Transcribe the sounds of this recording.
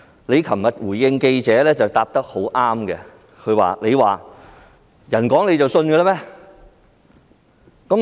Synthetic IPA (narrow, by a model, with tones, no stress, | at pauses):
le˨˧jkʰɐ˨˩mmɐ˨t̚wuː˨˩jjɪ˧ŋke˧jt͡sɛː˨˥lɛː˥t͡sɐ˨wt̪aː˨p̚t̪ɐ˥k̚ho˨˥wʔaː˥mɡɛ˧ | kʰɵ˨˧ɥwa̰ː˨le˨˧waː˨˩ | jɐ˨˩nkɔː˨˥ŋle˨˧jt͡sɐ˨wsɵ˧nkɛ˧la˥mɛː˥ | kɐ˨˥m